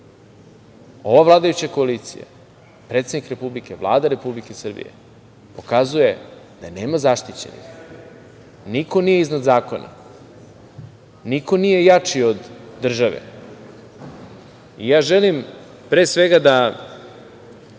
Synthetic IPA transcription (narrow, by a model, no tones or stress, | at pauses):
o̞ʋavlˠaːd̪ajut͡ɕako̞aliːt̪sḭja̰ | pɾet̪sed̪nikɾe̞publike̞vlˠa̰ːd̪aɾe̞publike̞sr̩bḭjḛ | po̞kazuje̞ | d̪̥ane̞ːmazaʃt̪it͡ɕe̞̰nḭx | niko̞nijeiznad̪zaːko̞na̰ | niko̞nije̞jat͡ʂiod̪ːr̩ʒaʋḛ | ijaːʒelim | pɾesʋeɡad̪a